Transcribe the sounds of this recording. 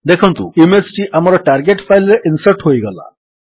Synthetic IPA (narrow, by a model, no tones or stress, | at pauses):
d̪ekʰə̃nt̪ṵːimesʈiːʔamaɾɔʈaɾɡeʈfajləɾʔinsəɾʈɦojɡəla̰